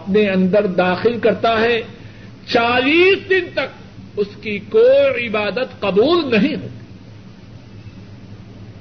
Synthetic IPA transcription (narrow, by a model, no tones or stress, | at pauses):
ɐpneɐ̃nd̪əɾd̪aːxɪlkɐɾt̪aɦɛ | t͡ʃaːliːsd̪ɪnt̪ɐk̚ | ʊskikoːiɪbaːd̪ət̪qɐbuːlnɐɦĩɦo̰ːɡi